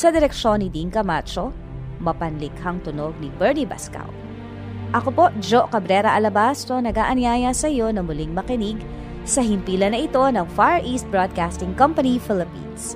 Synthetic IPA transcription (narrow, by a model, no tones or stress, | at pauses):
sɐd̪ɛɾɛkʃo̞nːɪd̪iŋkɐmat͡ʃo̞ | mɐpɐnlɪkhɐŋt̪ʊnoɡ̚nibɛɹniba̰ska̰w | ʔɐkopo̞ʔd͡ʒokɐbɾɛɾɐʔɐlɐbast̪o̞nɐɡaːʔɐnjaːjɐsɐjo̞nɐmʊlɪŋmɐkɪniɡ | sɐɦɪnt̪iːlɐnɐʔɪt̪o̞nɐŋfaɹʔist̪̚bɹod̪̚kast̪ɪŋkɐmpɐnifɪlɪpḭns